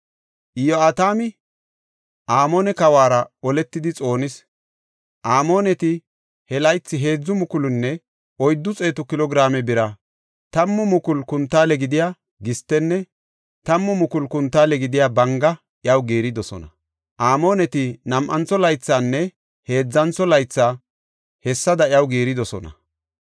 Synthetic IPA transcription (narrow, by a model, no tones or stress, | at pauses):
ʔɪjɔaːt̪aːmɪ | ʔaːmo̞ːnɛkɐwaːɾɐɔlɛt̪ːɪd̪ɪt͡sʼo̞ːnɪs | ʔaːmo̞ːnɛt̪ɪ | hɛlɐjt͡sːɪɦe̞ːd͡zːʊmʊkʊlʊnːɛ | ʔɔjd̪ːʊt͡sʼe̞ːt̪ʊkɪlɔɡɪɾaːmɛbɪɾɐ | t̪ɐmːʊmʊkʊlkʊnt̪ːaːlɛɡɪd̪ɪjaː | ɡɪst̪ːɛnːɛ | t̪ɐmːʊmʊkʊlkʊnt̪ːaːlɛɡɪd̪ɪjaːbɐŋɡɐ | ʔjɐwɡeːɾɪd̪ɔsɔ̰nɐ | ʔaːmo̞ːnɛt̪ɪnɐmʔɐnt͡sːɔlɐjt͡sːaːnːɛ | he̞ːd͡zːɐnt͡sːɔlɐjt͡sːaː | hɛsːɐd̪ɐjɐwɡeːɾɪd̪ɔsɔnɐ̰